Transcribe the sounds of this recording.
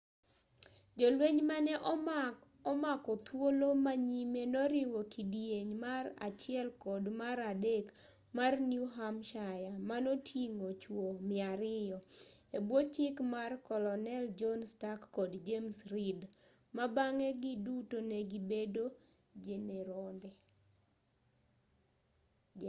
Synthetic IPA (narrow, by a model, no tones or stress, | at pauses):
d͡ʒɔlweɲmanɛʔ | ɔmakɔt̪wolomaɲimenɔɾɪwɔkidijeɲmara̰t͡ʃɪɛlkɔdmaɾadek | marnjuɦamʃajamanotʰjiŋot͡ʃwomɪaɾɪjɔebwot͡ʃɪkmarkɔlɔnɛld͡ʒɔnstakːɔdd͡ʒemsɾid | mabaŋɛɡɪdutoneɡibedo | d͡ʒeneɾɔndɛ